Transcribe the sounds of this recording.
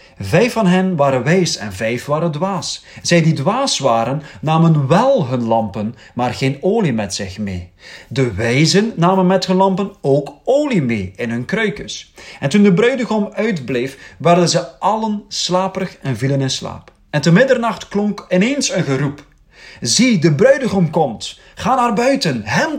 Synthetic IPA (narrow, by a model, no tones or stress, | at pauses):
vɛjfɑnɦənʋaːɾənʋɛjsɛ̰nvɛjfʋaːɾəndʋaːsz̥ɛjdidʋaːsʋaːɾənːaːmənʋɛlˠɦɵnlɑmpən | maːrɣeːnoːlimɛtsɪxmḛːdəʋɛjzənːaːmənmɛthɵnlɑmpənoːkoːlimeːɪnɦɵnkrœɥkəsɛntundəbrœɥdəɣomœɥtblejfʋɛrdənzəɑlənslaːpərəxɛnvilənɪnsla̰ːp | ɛntəmɪdərnɑxtklɔŋkɪneːnsənɣərup | zidəbrœɥdəɣomkɔmt | χaːnarbœɥtənɦɛn